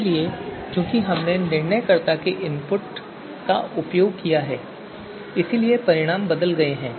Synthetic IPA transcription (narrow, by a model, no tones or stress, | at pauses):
liekjõːkiɦɐmnenɪɾnəjkɐɾt̪akeʔɪ̃mpʊʈ | kaʊpjoːɡ̚kijaɦɛː | ɪsiliepɐɾɪɽ̃aːmbɐd̪əlɡɐeɦɛ̃ː